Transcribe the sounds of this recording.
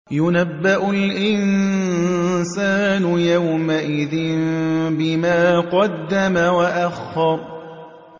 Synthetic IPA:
jʊnabːaʔʊlʔɪn | saːnʊjawmaʔɪðɪnbɪmaːqɑd̪ːamawaʔaxɑˤ

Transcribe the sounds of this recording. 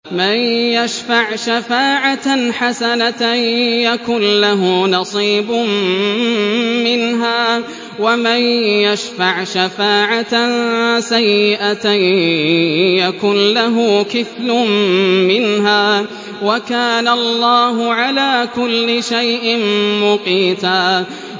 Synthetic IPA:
manjaʃfaʕʃafaːʕatħasanat̪jakʊnlaɦʊnɑsˤiːbʊm | mɪnɦaː | wamajjaʃfaʕʃafaːʕat̪sajːɪʔat̪aj | jakʊnlaɦʊkɪθlʊmɪnɦaː | wakaːnalˤːɑːɦʊʕalaːkʊlːɪʃajʔɪmmʊqiːt̪aː

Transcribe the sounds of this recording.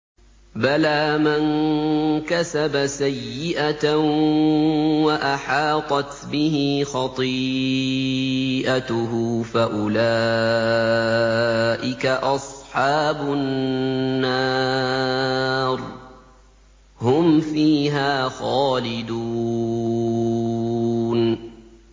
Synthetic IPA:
balaːman | kasabasajːɪʔa | waʔaħɑːt̪ˤɑt̪bɪɦɪxɑt̪ˤi | ʔat̪ʊɦʊːfaʔʊlaː | ʔɪkaʔɑsˤħɑːbʊː | a | ɾ | hʊmfiːɦaːxɑːlɪd̪u | n

